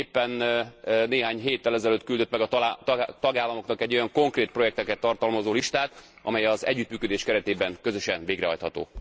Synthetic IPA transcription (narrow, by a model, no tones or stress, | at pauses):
eːpːɛnneːɦaːɲɦeːt̪ːɛlɛzɛløːt̪kyld̪øt̪mɛɡɒt̪t̪ɒɡaːlːɒmo̞knɒkɛɟːo̞jɒŋko̞ŋkreːt̪̚pro̞jɛk̚t̪ɛkɛt̪ːɒrt̪ɒlmɒzoːliʃt̪aːt̪ | ɒ̰mɛjɛɒzɛ̰ɟːyt̪myːkød̪eːʃkɛɾɛt̪eːbɛŋkøzø̞ʃɛnveːɡrɛ̰ɦɒ̰jt̪hɒt̪o̰ː